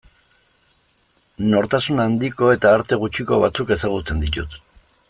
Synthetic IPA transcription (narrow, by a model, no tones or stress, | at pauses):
no̞ɾt̪asunand̪iko̞e̞t̪aːɾt̪e̞ɣ̞ut͡ʃiko̞βat͡suke̞saɣ̞ut͡se̞nd̪it̪ut̪